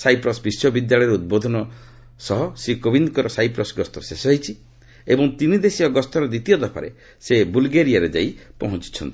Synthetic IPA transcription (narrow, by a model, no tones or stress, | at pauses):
sajpɾɔsbisjɔbid̪jaɭɔjɾeud̪̚bod̪ʱɔnɔ | sɔɦɔsikobinkɔɾɔsajpɾɔsɡɔst̪ɔsesɔɦit͡ʃʰi | ebɔŋt̪inid̪esiɔɡɔst̪ɔɾɔd̪it̪ijɔd̪ɔpʰa̰ɾḛ | sebulɡeɾiaɾed͡ʒajpɔɦɔ̃t͡ʃi̥t͡ʃʰɔ̰nt̪i̥